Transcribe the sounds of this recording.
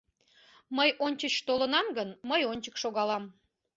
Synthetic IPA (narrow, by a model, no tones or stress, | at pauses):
məjʔonʲt͡ɕət͡ɕt̪olənɑmɡənməjonʲt͡ɕəkʃoɣɑlɑm